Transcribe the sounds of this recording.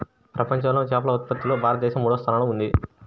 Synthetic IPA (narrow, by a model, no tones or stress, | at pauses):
pɾʔɐpɐɲt͡ʃɐmloːt͡ʃaːpɐlɐut̪̚pɐt̪ːuloːbʱaːɾɐt̪ɐd̪ɛːʃɐmːuːɽɐst̪ʰɐnaːluund̪i